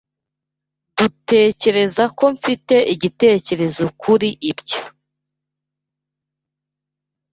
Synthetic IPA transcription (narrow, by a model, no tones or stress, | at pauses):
d̥ute̞ːce̞ɾe̞zako̞ɱfite̞ʔiɟite̞ːce̞ɾe̞zo̞kʰuɾiʔibɟo